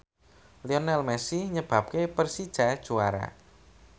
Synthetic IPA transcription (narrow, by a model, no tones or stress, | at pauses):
liɔnɛlmɛsiɲəb̥ä̤p̚kepərsid̥ʒ̥ä̤d̥ʒ̥uwaɾa̰